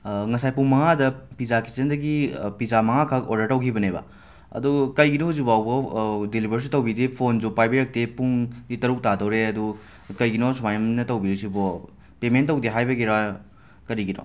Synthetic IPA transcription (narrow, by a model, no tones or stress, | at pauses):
ŋɐsajpuŋmɐŋadɐpizaki̥t͡ʃendɐɡipizamɐŋakʰɐkodɐɾtɐwkʰibɐnebɐ̰ | ɐ̰dukɐjɡinɔhuzubawbɐdilibʱɐɾs̬itɐwbidipʰond͡ʒupajbiɾɐk̚tepuŋditɐɾuk̚tadɐwɾeɐdu | kɐjɡinɔsumajmnɐtɐwbiɾisibɔ | pementːɐwdiɦajbɐɡiɾa | kɐɾiɡinɔ̰